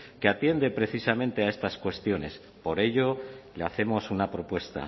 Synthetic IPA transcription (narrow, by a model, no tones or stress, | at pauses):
keat̪je̞nd̪e̞pɾe̞θisamẽ̞nt̪e̞ae̞st̪askwe̞st̪jo̞ne̞s | po̞ɾe̞ʝo̞leaθe̞mo̞sunapɾo̞pwe̞st̪a̰